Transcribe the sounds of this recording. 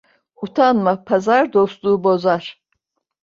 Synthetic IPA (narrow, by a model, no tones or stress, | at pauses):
ut̪ʰanmapʰazaɾd̪oslˠuːubo̞zaɾ̥